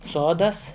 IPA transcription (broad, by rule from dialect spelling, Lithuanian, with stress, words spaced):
ˈsoːdɐs